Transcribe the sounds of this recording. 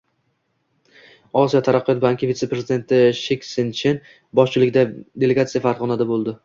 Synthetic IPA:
ɒsijɒt̪ʰaɾaqːɨjɒt̪baŋkʲɪvit̪se̞pɾe̞zɪd̪e̞nt̪ʰɪʃekʲsɪnt͡ʃʰen | bɒʃt͡ʃʰɪlɪkʲɪd̪ad̪e̞le̞ɡat̪sijafaɾʁɒnad̪abolˠd̪ɪ

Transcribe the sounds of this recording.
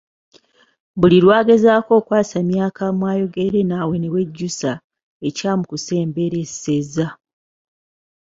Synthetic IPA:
buliɾwaːɡe̞zaːko̞ːkwaːsamjaːkamwaːjo̞ɡe̞ɾe̞nawe̞ne̞we̞ɟːusa | e̞caːmukuse̞ːmbe̞ɾeseza

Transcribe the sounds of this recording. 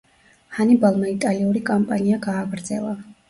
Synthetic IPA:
hanibalˠmait̪ʼaliuɾikʼampʼaniaɡaːɡɾd̪zɛlˠa

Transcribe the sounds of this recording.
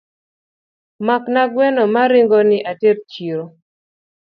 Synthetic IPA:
maknaɡwɛnɔmaɾɪŋɡɔnɪʔatert͡ʃiɾo

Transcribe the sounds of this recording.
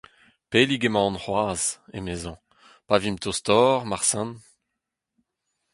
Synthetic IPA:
peliɡemɑ̃ːnχwaːzḛmezɑ̃ | pavimt̪ʰost̪ɔːʁmaʁsɛ̃n

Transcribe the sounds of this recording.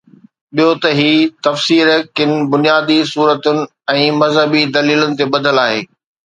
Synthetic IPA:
ɓijot̪ɐɦiːt̪ɐfsiːɾkɪnɪ̆bʊnijaːd̪isuːɾət̪ʊnɪ̆ | ɛ̃ːmɐzɦəbid̪ɐliːlʊnɪ̆t̪ebɐd̪ʱəlaːɦeː

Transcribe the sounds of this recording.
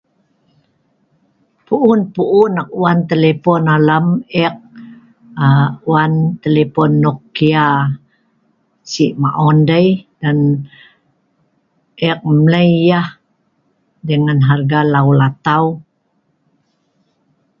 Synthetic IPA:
puʔunpuʔunak̚uant̪elepɔnalamɛk̚ | uwant̪elepɔnːɔkːia | siʔmaʔɔndəjdan | ʔɛk̚mləjːah | dəŋanɦarɡalaulat̪au

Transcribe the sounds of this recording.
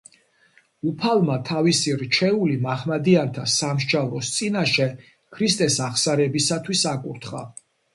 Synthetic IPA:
upʰalˠmat̪ʰavisiɾt͡ʃʰɛulimaχmad̪iant̪ʰasamʃd͡ʒavlˠɔst̪sʼinaʃɛ | kʰɾist̪ʼɛsaχsaɾɛbisat̪ʰwisakʼuɾt̪ʰχa̰

